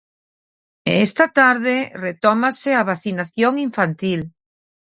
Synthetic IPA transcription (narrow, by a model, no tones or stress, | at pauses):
est̪at̪aɾðeret̪ɔmaseaβaθinaθjoŋiɱfant̪il